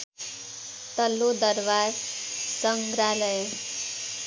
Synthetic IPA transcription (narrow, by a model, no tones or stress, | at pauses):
t̪ʌlːod̪ʌɾʋazsʌŋɡɾaləj